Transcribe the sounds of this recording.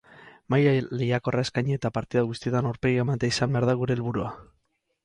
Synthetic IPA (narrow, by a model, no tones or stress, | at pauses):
majale̞jako̞rae̞skajɲeet̪apaɾt̪iðaɣust̪iet̪anaɾpeɣiamat̪eaisambe̞aɾðaɣuɾe̞ːlβuɾua